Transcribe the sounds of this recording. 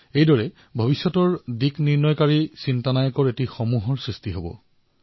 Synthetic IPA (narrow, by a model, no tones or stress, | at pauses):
ejdɔɹɛ | bʱobisjɔtɔɹdikniɹnɔjkaɹisintanajɔkɔɹetixomuɦɔɹsɹistiɦobɔ̰